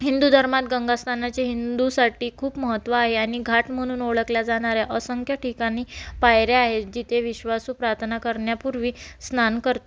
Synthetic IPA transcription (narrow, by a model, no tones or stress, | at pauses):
ɦind̪ud̪ʱəɾmat̪̚ɡəŋɡast̪ʰanat͡ɕeɦind̪usaʈiːkʰuːpməɦət̪ːʋaːɦeaɽ̃iɡʱaʈm̤əɽ̃uːnoɭəkljad͡zaɽ̃aɾjaʔəsəŋkʰjaʈʰikañiːpajɾjaaɦed͡ʑit̪ʰeʋiɕʋasuːpɾaɾt̪ʰənakəɾɳjapuɾʋiːsnankəɾt̪o